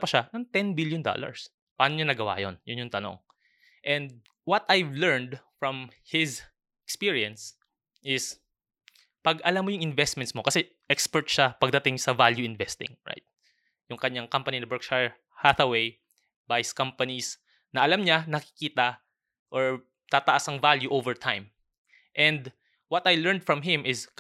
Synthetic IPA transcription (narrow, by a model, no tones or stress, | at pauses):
pɐʃanɐŋt̪ɛnbiljʊnd̪o̰lɐ̰ɹs | pɐaːnoɲonɐɡɐwa̰jo̰njʊnjʊŋt̪ɐno̰ŋ | ʔɛ̃nd̪̚ | wɐt̪ajvlɛɹnd̪fɹɔ̃mhɪz | ʔɛkspiɹiɐns | ʔɪs | pɐɡɐlamːojʊŋɪnvɛst̪mɛnt̪smokɐsɛ | ʔɛkspɛɹt̪̚ʃapɐɡ̚d̪ɐt̪ɪŋsɐvaljuɪnvɛst̪ɪ̰̃ŋɹa̰jt̪̚ | jʊŋkɐɲaŋkɐmpɐninɐbɛɹk̚ʃa | haθɐwej | bajskɐmpɐnis | nɐʔɐlamɲanɐkɪ̥kiːt̪ɐ | ʔɔɹ | t̪aːt̪ɐʔasɐŋvaljuʔovɛɹt̪ʰãjm | ʔɛ̃nd̪ | wɐt̪ɐjlɛɹnd̪̚fɹɐmɦɪ̃mʔɪs